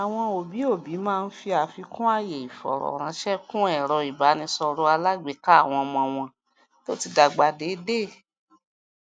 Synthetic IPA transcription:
a˨w̃ɔ̃˧o˨bi˨˦o˦˨bi˨˦mãː˦˧n̩˦fi˧a˨fi˧kũ˦a˦˨je˨i˨fɔ̰˨ɾɔ̰˨ɾ̃ã˨˦ʃɛ˦kũ˦ɛ˦˨ɾɔ˧i˨ba˨˦nĩ˧sɔ˧ɾo˦a˧la˦ɡ͡be˦ka˦a˦˨w̃ɔ̃˧mɔ̃˧w̃ɔ̃˧ | to˦ti˧da˨ɡ͡ba˨de˨˦de˦˨

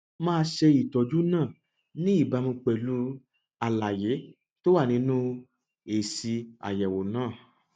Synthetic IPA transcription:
mãː˧ʃe˧i˨tɔ˨d͡ʒu˦nãː˦˨ | nĩ˦i˦˨ba˨˧mĩ˧k͡pɛ˨lu˨˦ | a˨la˨je˨˦ | to˦wa˦˨nĩ˨˦nũ˦ | e˨si˧a̰˨jɛ˨wo˨nãː˦˨

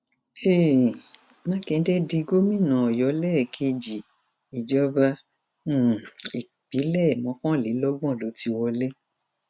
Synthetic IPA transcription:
e˦˨ | mã˦kɛ̃˧˦dɛ˦di˧ɡo˦mĩ˦˨nã˨ɔ˨jɔ˨˦lɛ˦˨kʰe˧d͡ʒi˨ | i˨d͡ʒɔ˦bã˧˨ | i˨ | k͡pi˨˦lɛ˦˨mɔ̃˨˦kɔ̃˦˨le˨˦lɔ˦ɡ͡bɔ̃˦˨lo˨˦ti˧˦wɔ˧le˦

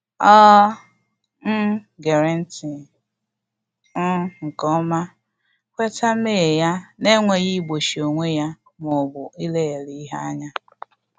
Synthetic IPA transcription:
ɔː˦ | ɡe˨ɾe˦n̩˦ti˨ | n̩˦ŋ̩˨kɔ˦ma˦ | kʷe˦ta˦meː˦˨ja˦ne˦ŋʷe˨ɣi˦ɡ͡bo˨ʃi˨o˨ŋʷe˦ja˦ | mʊ˨bʊ˨i˦le˦e˨li˦i˦ɦa˦a˦ɲa˦

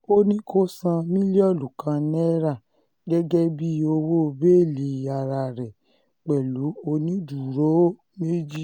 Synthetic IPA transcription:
o˦nĩ˦kʰo˦sã˧mĩ˦li˦ɔ˦˨lu˨kã˨˧nɛ˦ɾa˦˨ | ɡɛ˦ɡɛ˦bi˦o˧wo˦˧be˦˨li˨˧˨a˧˨ɾa˧ɾɛ˨ | k͡pɛ˨lu˨˦o˧nĩ˦du˨ɾo˦ | me˦d͡ʒi˦

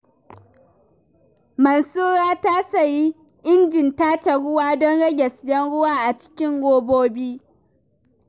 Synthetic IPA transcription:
mɐ˨nsuː˦ɽaː˦ta˦sɐ˨ji˦ | ʔɪ˦nd͡ʒɪ˨ntaː˦t͡ʃa˨ɽʊ˦waː˦dɔ˦nɽɐ˦ɡʲɛ˨sjɛ˦nɽʊ˦waː˦ʔa˨t͡ʃɪ̥˦kʲɪ˦ŋɡʷoː˦boː˦biː˦

